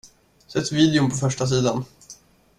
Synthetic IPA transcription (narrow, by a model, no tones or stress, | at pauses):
sɛt̪ːviːd̪ɛɵmpʰɔfœʂʈas̬iːd̪an